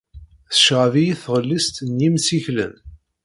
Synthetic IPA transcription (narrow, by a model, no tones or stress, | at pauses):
θə̥ʃʁəvijiθʁəlːist̪njimsiçlə̰m